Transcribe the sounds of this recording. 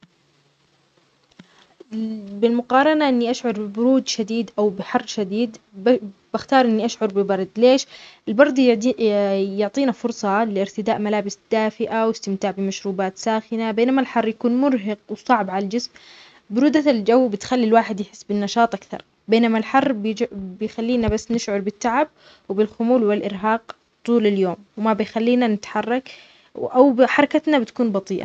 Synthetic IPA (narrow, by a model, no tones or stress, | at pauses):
bɪlmʊqɑːɾˤɑnaʔɪnːiʔaʃʕʊɾˤbɪbʊɾuːd̪ʃad̪iːd̪ʔawbɪħɑrˤːʃad̪iːd̪ | b̥axt̪ɑːɾˤʔɪnːiʔaʃʕʊɾˤbɪbɑɾˤd̪ˤleːʃɪlbɑɾˤd̪ˤ | jʊʕt̪ˤiːnafʊɾˤsˤɑlɪɪɾt̪ɪd̪aːʔmalaːbɪsd̪̥aːfɪʔawɪst̪ɪmt̪aːʕbɪmaʃɾuːbaːt̪saːxɪnabeːnamalħɑrˤːjakuːnmʊɾɦɪqwsˤɑʕbʕalald͡ʒɪsm | bɪɾuːd̪ald͡ʒawːbɪt̪xalːilwaːħɪd̪jħɪ̥sːbɪnːɑʃɑːt̪ˤʔakθɑ̰ɾˤ | beːnamalħɑrˤːbbɪjxalːiːnabasːnɪʃʕʊɾˤbɪt̪ːaʕab̚ | wɪbɪlxʊmuːlwɪlʔɪɾɦɑːq | t̪ˤuːlaljoːmwɪmabɪjxalːiːnanɪt̪ħɑrˤːɑk | ʔawbħɑɾˤɑkat̪nabɪt̪ḁkuːnbɑt̪ˤiːʔa̰